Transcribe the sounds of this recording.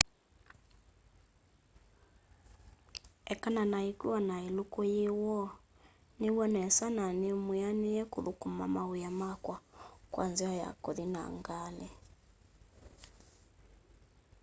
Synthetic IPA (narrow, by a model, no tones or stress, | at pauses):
ɛkananaikiwanailukɔjiwɔ | niβɔnɛsananimujanijɛkuðukuma̰maujamakwakwa̰nziaja̰kɔðina̰ŋɡalɛ